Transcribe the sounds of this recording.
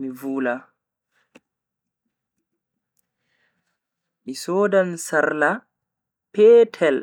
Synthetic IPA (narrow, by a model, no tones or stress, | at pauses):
mivuːla | ʔisoːdansaɾla | pɛːtʰɛl